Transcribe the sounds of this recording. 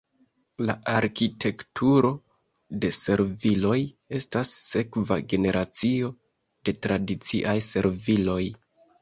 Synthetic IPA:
laaɾkitʰe̞ktʰuɾo̞ | de̞se̞ɾvilo̞j | e̞stasːe̞kva̰ɡe̞ne̞ɾʔat͡sio̞ | d̥e̞tɾadit͡sḭʔajse̞ɾvilo̞j

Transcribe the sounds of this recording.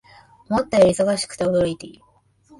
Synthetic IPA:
mot̪ːajiso̞ɡaɕi̥kɯ̟̥t̪eod̪oɾit̪ei

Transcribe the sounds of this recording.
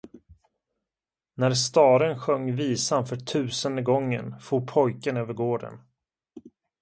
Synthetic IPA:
næɾst̪ɑːɾənɧœŋːviːsanfœʈʰʉ̟ːsənd̪əɡɔŋːə̰nfuːpʰɔjkənøːvəɾɡoːɖə̰n

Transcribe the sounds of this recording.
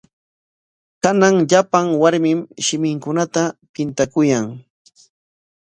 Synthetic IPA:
kanaŋʎapaŋwaɾmɪmʃɪmɪŋkʊnat̪apɪnt̪akʊjaŋ

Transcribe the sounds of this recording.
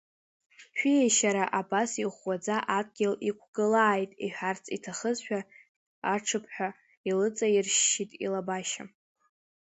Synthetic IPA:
ʃᶣieʃaɾaʔabasiχwad͡zaʔad̚ʰʼɡʲɪlikʷʰɡ̥ɨlaːjtʼiħᶣart͡sʰʼitʰaχəzħᶣa | aʈ͡ʂʰɨpʰħʷᶣa | ilɨt͡sʼairʃːitʼḭlabaʃa

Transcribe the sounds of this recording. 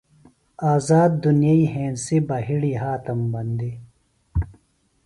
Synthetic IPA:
aːzaːd̪ːunijaiːɦẽːnsibaːɦiɽiɦaːt̪ɐmbɐnd̪i

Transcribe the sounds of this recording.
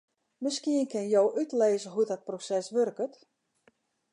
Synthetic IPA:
məskiənkɪnjowʔytleːzəɦudɔt̚prosɛsʋørkət

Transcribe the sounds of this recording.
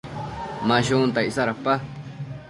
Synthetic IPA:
mãɕunt̪aisaɾapːa

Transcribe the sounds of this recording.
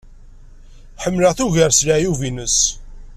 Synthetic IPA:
ħəmːləθuʝəɾslajuvinəs

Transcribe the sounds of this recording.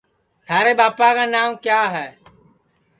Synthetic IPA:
t̪ʰaːɾeːɓaːpaːkaːnaːmkjaːɦɛː

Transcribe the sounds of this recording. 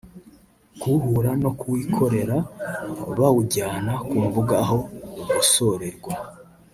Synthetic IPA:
kuhuɾano̞kuwikʰo̞ɾe̞ɾa | βauɟaːnakuːɱvuɡaɦo̞uɡuso̞ɾe̞ɾɡwa

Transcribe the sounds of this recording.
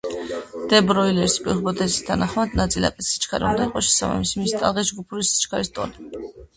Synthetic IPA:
d̪̥ɛbɾɔilɛɾispʼḭʁbɔd̪ɛzi̥st̪ʰanaχmad̪nat̪sʼila̰pʼɛsi̥t͡ʃʰkʰaɾa̰und̪aiqʼɔʃɛsa̰ba̰mismist̪ʼa̰lʁisd͡ʒɡupʰuɾisi̥t͡ʃʰkʰaɾist̪ʼɔni

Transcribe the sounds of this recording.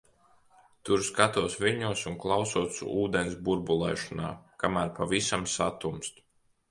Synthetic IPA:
t̪uɾskat̪uɔsvʲiɾɲuɔsunklˠawsuɔt̪sṵuːd̪ensbuɾbulˠɛ̰ːʃɔna̰ːkamæːɾpavisamsat̪umst̪

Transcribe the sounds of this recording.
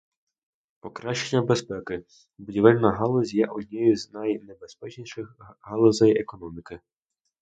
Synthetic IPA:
pɔkɾaʃenʲːɐbespɛkɪ | bʊdʲiʋɛlʲnɐɦɑlˠɔzʲjɛʔɔdʲnʲɛjʊznajnɛbespɛt͡ʃnʲiʃɪxɦɑlˠɔzɐjekɔnɔmʲikɪ

